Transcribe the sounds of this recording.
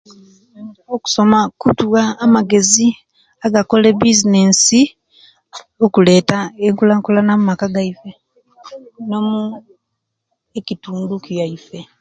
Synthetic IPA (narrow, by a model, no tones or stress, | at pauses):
oku̥so̞makutuwaːmaɡe̞zi | aɡako̞lebizine̞ːsi | okule̞ːtaeŋkulaŋkulanamumakaɡaife̞ | no̞mu | ecituːndukijaife̞